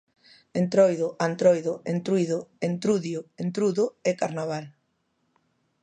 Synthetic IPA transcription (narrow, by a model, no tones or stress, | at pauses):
ent̪ɾɔjðʊʔant̪ɾɔjðoent̪ɾujðoent̪ɾuðjoent̪ɾuðʊɛkaɾnaβ̞al